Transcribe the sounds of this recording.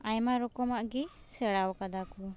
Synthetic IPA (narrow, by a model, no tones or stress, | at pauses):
ajmaɾɔkɔmaʔɡi | sɛɽawkad̪akɔ